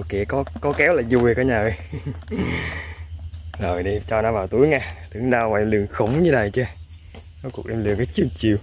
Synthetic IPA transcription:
kḭ˧˨əkɔ˨˦kɔ˨˦kɛ˨˦˥wlaː˨˩zu˨˩˨kɔ˨˧˦ɲaː˨˩˨ | zo˨˩jɗi˧t͡ɕɔ˧nɔ˨˦vaː˨˩wt̪u˨˦əjŋaː˧t̪ɨ˨˦əŋɗa˧wma˨˩ʔɛ˧mlɨ˨˩əŋxə˧˩wŋ͡mɲɨ˧na˨˩jt͡ɕɨ˧ | nɔ˨˦ku˨˩kʔɛ˧mlɨ˨˩əŋkaː˨˦jt͡ɕɨ˨˧˩ət͡ɕḭ˧˨w

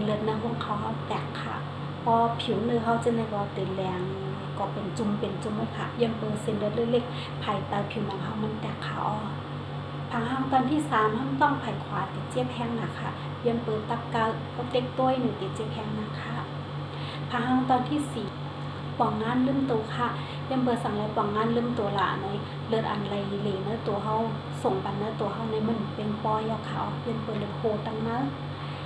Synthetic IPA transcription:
lɯ˧˩t̪̚na˧ɦu˧˩ə˨ŋkʰa˧˩wha˧˩nt̪ɛ˨˩kʰːa̰˧˩ | pɔː˧pʰi˨˦wnɯː˧ɦa˧˩wt͡ɕːnda˧˩˨bɔː˧t̪ɯː˨nlɛː˧ŋ | kɔː˧˩pe˨nt͡ɕu˧mpe˨˩nt͡ɕu˧˨m˧˩kʰa˧˩joː˧ə˨npɤː˧˩se˧˦˨nlɤ˧˦t̪̚lɯ˧˨le˧˨k̚ | pʰa˨˩jt̪a˧pʰi˨˦wna˧˩ŋɦa˧˨wma˧˥nt̪ɛ˧˩kʰːa̰˧˩ʔɔ˧ | pʰa˧ha˧˨wt̪ɔː˧nt̪ʰiː˧˥˨saː˨˦mha˧˥˩nt̪ɔ˧˩˨ŋpʰa˨˩jkʰwaː˨˦t̪i˨˦t̪̚t͡ɕi˧˩əp̚hʰɛː˧˥˨ŋna˧˩kʰa̰˧˩ | jɔː˧˨npɤː˨˧t̪̚t̪a˧p̚ka˧˨ | ka˧t̪e˧˦k̚t̪u˧˨ə˨jnu˧˨t̪i˨˩t͡ɕi˧˨p̚hɛː˧˩˨ŋnaː˧˩kʰa˧˩ | pʰa˧˩haː˧˥˨wt̪ɔː˧nt̪ʰiː˧˥˨siː˨˩ | pɔ˧˩ŋŋːaː˧˥˨nlɯː˧˥˨mt̪uː˨˩˨kʰa˧˨ | ja˧˨mpɤː˧˩t̪̚sa˨ŋla˧˩jpɔ˧˩˨ŋŋːaː˧˥˨nlɯ˧˥˨mt̪u˨˩ə˦la̰˧˨nɔ˧˦˨j | lɤ˧˩t̪̚ʔa̰˨˩nla˨˧˩jli˧leː˨˩naː˧˥˨t̪u˨ɐɦa˧˩˨w | so˨˩ŋba˨nnːaː˧˥˩t̪u˨ɐɦa˧˩˨wna˧˦jma˧˥˨n˨pe˧˨npɔː˧˨jɔː˧˩kʰa˧˨ʔɔː˧pi˧ə˨npɤː˨˩t̪̚lɤ˧˩jhʰoː˧˩a˧ŋna˧˦˨

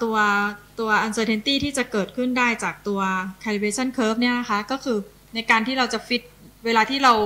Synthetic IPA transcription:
t̪u˧ɐt̪u˧ɐʔa˧nsɤː˧t̪ʰe˧nt̪iː˥˩t̪ʰiː˥˩t͡ɕa˨˩kɤː˨˩t̪̚kʰɯ˥˩ndaː˥˩jt͡ɕaː˨˩k̚t̪u˧ɐkʰaː˧li˧˩beː˧t͡ɕʰa˥˩nkʰɤː˦˥p̚ni˥˩ɐna˦˥kʰa˦˥kɔː˥˩kʰɯː˧ | na˧jkaː˧nt̪ʰiː˥˩ɾa˧wt͡ɕa˨˩fi˦˥t̪̚weː˧laː˧t̪ʰiː˥˩ɾa˧w

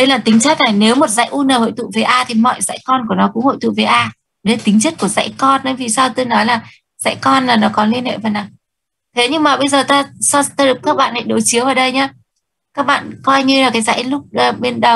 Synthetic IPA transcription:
ɗə˧jlaː˨˩t̪ï˨˦ŋ̟t͡ɕa˦˥k̚na˨˩jne˨˦wmo˨˩t̚za̰˧˥jʔu˧nəː˨˩ho̰˧˨jt̪ʰṵ˧˨ve˨˩ʔaː˧t̪ʰi˨˩mɔ̰˧˨jza̰˧˥jkɔ˧nku˧˩ənɔ˨˦kʊ̰˧˥ŋ͡mho̰˧˨jt̪ʰṵ˧˨ve˨˩ʔaː˧˨ | ɗt̪i˨˦ŋ̟t͡ɕə˦˥t̚ku˧˩əza̰˧˥jkɔ˧nɓə˨˦jvi˨˩saː˧wt̪ɨ˧jnɔ˨˦jlaː˨˩ | za̰˧˥jkɔ˧nlaː˨˩nɔ˨˦kɔ˨˦nli˧ənhḛ˧˨vaː˨˩na˨˩ | t̪ʰe˨˦ɲɨ˧ŋmaː˨˩ɓə˧jzəː˨˩t̪aː˧sɔ˧t̪aː˧˩ɗɨ˨˩kːaː˦˥k̚ɓa̰ː˧˨nha̰˧˥jɗo˨˦˩t͡ɕi˨˦əwʔəː˨˩ɗə˧jɲaː˧ | kaː˦˥k̚ɓa̰ː˧˨nkɔ˧jɲɨ˧laː˨˩kaː˨˦jza̰˧˥jlʊ˦˥k͡p̚ːɓi˧nɗə˨˩w

